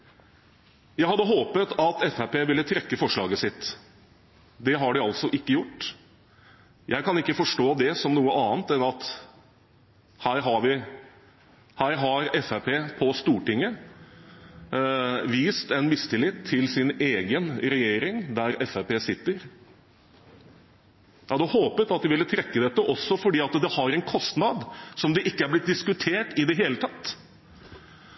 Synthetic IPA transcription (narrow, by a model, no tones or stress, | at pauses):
jæɪhɑd̪ːəɦoːpət̪ɑt̪ɛfæpeːʋɪlːət̪ʰɾɛkːəfɔʂɭɑːɡəsɪt̪ | d̪ɛɦɑɖɪɑlsɔʔɪkːəjʊʈː | jʔæɪkɑnɪkːəfɔʂʈoːd̪ɛsɔmnuːəʔɑːnt̪ɛnɑt̪ | hæːɾɦɑʋɪ | hæːɾɦɑɾɛfæpʰeːpʰɔst̪uːʈɪŋːə | ʋiːst̪ɛnmɪst̪ɪlɪt̪ʰːɪlsɪneːɡənɾɛjeːɾɪŋd̪æɾɛfepeːsɪt̪ːəɾ | jɑd̪ɛhoːpət̪ɑt̪̚d̪ɪʋɪlːət̪ʰɾɛkːəd̪ɛt̪ːəʔɔsːɔfɔɖiːɑt̪d̪ɛhɑɾɛnkʰɔst̪nɑd̪sɔmd̪ɛʔɪkːəæɾblɪt̪̚d̪ɪskʉt̪ʰeːʈɪd̪ɛɦeːlət̪ʰɑt̪ː